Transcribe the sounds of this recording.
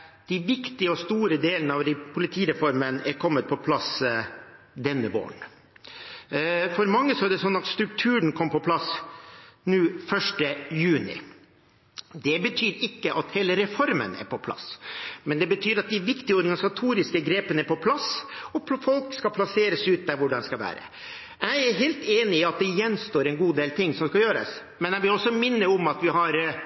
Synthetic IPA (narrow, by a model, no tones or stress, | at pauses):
d̪̥ɪʋɪkt̪ɪəɔst̪uːɾəd̪eːlənəɑʋɾpʰʊlɪt̪ʰiːɾɛfɔɾmənɛɾkʰɔmːət̪̚pʰɔpʰlɑs | d̪ɛnːəʋo̰ːəɳ | fɔɾmɑŋːəsɔæɖɛsɔnːɑt̪st̪ɾʉkt̪ʰʉːɳ̩kʰɔmpɔpʰlɑs | nʉːfœʂʈəjʉːnɪ̰ | d̪ɛbət̪ʰyːɾɪkːəʔɑt̪heːləɾɛfɔɾmə̰næ̰ɾpʰɔpʰlɑ̰smɛnd̪ɛbət̪ʰyːɾɑt̪̚d̪ɪʋɪkt̪ɪəɔɾɡɑnɪsɑt̪ʰuːɾɪskəɡɾeːpənəæɾpʰɔpʰlɑsɔpʰfɔlkskɑpʰlɑseːɾəsʉːt̪̚d̪æɾʋʊɖɑnskɑʋæ̰ːɾə̰ | æɪæɾɦeːlt̪eːnɪɪɑt̪̚d̪ɛjɛnːst̪oːɾɛnɡuːd̪eːlt̪ʰɪŋːsɔmskɑjøːɾə̰s | mɛnæʋɪlɔsːɔmɪnːəɔmɑt̪ʋɪɦɑɾ